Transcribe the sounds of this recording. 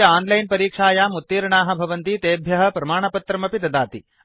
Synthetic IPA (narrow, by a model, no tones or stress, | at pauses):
ɐaːnlɐjnpɐɾiːkʂaːjaːmut̪ːiːɾɐɳaːɦɐ̆bʱɐʋɐnt̪it̪eːbʱjɐɦɐ̆pɾɐmaːɳɐpɐt̪ɾɐmɐpit̪ɐd̪aːt̪i